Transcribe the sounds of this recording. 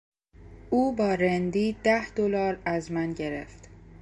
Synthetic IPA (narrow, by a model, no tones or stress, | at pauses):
ʔuːbɒːɾend̪iːd̪æhd̪̥olɒːɾæzmænɟe̞ɾḛft̪